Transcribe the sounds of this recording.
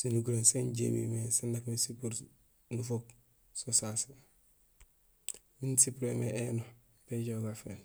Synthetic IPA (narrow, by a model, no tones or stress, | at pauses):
sinuɡuɾenseɲɟḛmḭmesandakmesipuɾ | nufok | sosase | minsipuɾemeeːno | peɟoɡafḛl